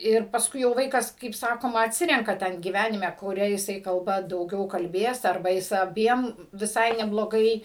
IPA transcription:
ɪr pɐsˈkʊɪ jɛʊ ˈʋɐɪkɐs kɐɪp ˈsɑːkoːmɐ ɐtʲˈsʲɪrʲɛŋkɐ ˈtʲɛn ɡʲiːˈʋʲæːnʲɪmʲɛ kʊˈrʲɛ jɪˈsɐɪ kɐlˠˈbɐ dɐʊˈɡʲɛʊ kɐlʲˈbʲeːs ɐrˈbɐ ˈjɪs ɐˈbʲiɛm ʋʲɪˈsɐɪ nʲɛblˠoːˈɡɐɪ

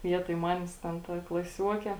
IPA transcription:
ˈʋʲiɛtoːj ˈmɑːnʲeːs ˈtʲɛn ˈtɐ klˠɐˈsʲuɔkʲeː

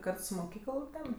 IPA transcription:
ˈkɐrt sʊ moːˈkʲiːkəlˠ tʲɛn

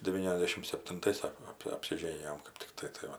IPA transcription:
dʲɛˈʋʲiːnʲɛzʲdʲɛʃʲɪm sʲɛpʲtʲɪnˈtɐɪs ˈsɑːkoː ɐp ɐpʲsʲɪˈʒʲeːnʲɪjoːm kɜp tʲɪkˈtɐɪ tɐɪ ˈʋɐ

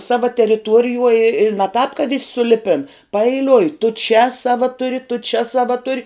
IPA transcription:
ˈsɑːʋɐ tʲɛrʲɪˈtuɔrʲɪjuɔj ɪ ɪ nʲɛ tɑːp kɐ ʋʲɪsʲ sʊˈlʲɪpʲɪn pɐɛɪˈlʲʊɪ tʊ t͡ʃʲɛ ˈsɑːʋɐ ˈtʊrʲɪ tʊ t͡ʃʲɛ ˈsɑːʋɐ ˈtʊrʲɪ

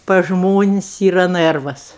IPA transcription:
pɐs ˈʒmoːnʲɪsʲ ˈiːrɐ ˈnɜrʋɐs

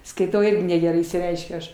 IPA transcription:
skɐɪˈtɐʊ ˈɪrʲɡʲɪ nʲɛɡʲɛˈrɐɪ ɪʃʲsʲɪˈrʲɛɪʃʲkʲʊ ˈɐʃ

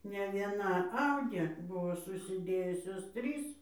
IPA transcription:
nʲɛ ʋʲiɛˈnɐ ˈɐʊdʲeː ˈbʊʋoː sʊsʲɪˈdʲeːjʊsʲoːs ˈtʲrʲiːs

